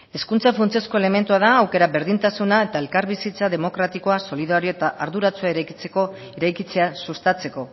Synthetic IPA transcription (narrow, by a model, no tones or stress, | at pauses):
e̞skunt͡safunt͡sesko̞e̞le̞me̞nt̪uað̞aːwke̞ɾaβe̞ɾðint̪asunae̞t̪ae̞lkaɾβisit͡saðe̞mo̞kɾat̪iko̞aso̞liðaɾio̞et̪aʔaɾðuɾat͡suaeɾajkit͡seko̞ | eɾajkit͡se̞asust̪at͡se̞ko̞